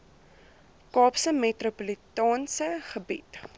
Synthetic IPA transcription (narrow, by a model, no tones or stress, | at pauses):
kɑːpsəmetropolitɑːnsəχəbḭt